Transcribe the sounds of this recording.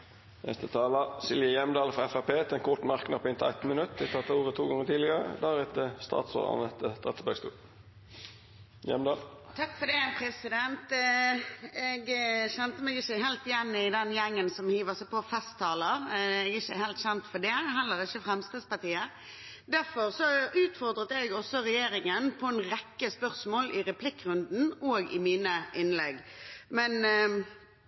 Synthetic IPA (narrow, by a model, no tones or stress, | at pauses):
nʔɛ̰st̪ət̪ʰɑːlɑsɪljəjɛmd̪ɑːlfʁɑɛfæpeːt̪ɛnkʰʊt̪mɑʁknɑpɔɪnt̪ʰæɪt̪nmənʉt̪ːd̪ɪt̪ʰɑt̪ːɑuːʁət̪ʰuːɡɑŋːət̪ʰiːlɪəʁə̰d̪æːʁɛt̪əst̪ɑ̰ːt̪so̰ːʁɑ̰nət̪ət̪ɑt̪sbøɡst̪ṵːʁ | jɛ̰md̪ɑːl | t̪ʰɑkːfɔd̪ɛpʰɾɛsɪd̪ɛnt̪ | ɛɡçɛnt̪əmɛɡɪçəɦɛlt̪jænːəɪd̪ɛnjɛŋːənsɔmhiːʋəʁsɛpʰɔfɛst̪ʰːɑːləɾɛɡɪçəhɛlt̪ɕɛnt̪fɔd̪ɛɦɛlːəɾɪçəfɾɛmst̪əːd̪spɑt̪iːə | d̪æɾfɔɾsɔʉːt̪fɔʁd̪ɾət̪əɛɡɔsɔɾɛjeːɾɪŋənpʰɔɛnɾɛkːəspœʁsmoːlɪɾɛpʰlɪkːɾʉnd̪n̩oːɡɪmiːnəʔɪnlɛɡmɛn